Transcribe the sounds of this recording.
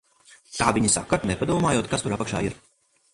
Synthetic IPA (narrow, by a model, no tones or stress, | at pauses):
t̪aːviɲisa̰kːat̪nɛpad̪uɔːmaːjoɔt̪̚kast̪uɾapakʃa̰ːiɾ